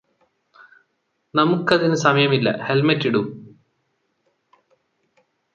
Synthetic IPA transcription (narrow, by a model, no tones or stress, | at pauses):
nɐmukːɐðinusɐmɐjɐmilːɐ̰helmɐtːiɽu